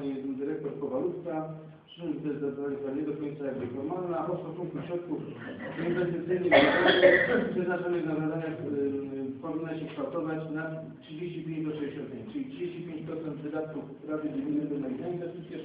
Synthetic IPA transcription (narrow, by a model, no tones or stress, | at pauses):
ɲɛɛd̪d̪ɘɾɛk̚t̪ɔɾkɔvalut̪ka | ʂuzd̪ɛzd̪aalʲit̪aɲɛd̪ɔkɔɲnt̪sajaɡ̚bɘfɔɾmalnaʔɔst̪ɔsuŋkt̪uɕɾɔt̪̚kuf | ɔinvɛst̪ɨt̪sʲɘjnɛat̪anɛɛd̪naʐanɛɣnavad̪aɲa | pɔvʲinːaɕɛkʂt̪awt̪ɔvat͡ɕna | tʂɨd͡ʑeɕt͡ɕipʲẽɲd͡ʑp̪ɔʂɛjɔɕɾɔt̪̚katʂɨlʲitʂɨd͡ʑeɕt͡ɕipʲẽɲt͡ɕpɾɔt̪sɛnd̪vɘd̪at̪̚kufspɾavʲɨɡ̪mʲinɛb̪ɛnait̪ainvɛst̪ɘt̪sʲjɛ